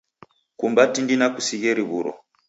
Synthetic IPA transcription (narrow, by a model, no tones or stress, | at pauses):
kumbatindinakusiɣeɾiβuɾɔ̰